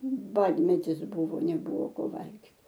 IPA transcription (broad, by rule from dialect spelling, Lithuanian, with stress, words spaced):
ˈbɑːdʲmʲɛtʲɪs ˈbuːʋoː nʲɛˈbʊʋoː ˈkoː ˈʋɐlʲɡʲɪt